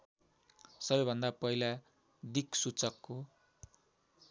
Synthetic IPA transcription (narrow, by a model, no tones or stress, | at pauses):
sʌbʌjbʱʌnd̪apʌila | d̪iksut͡sʌkːo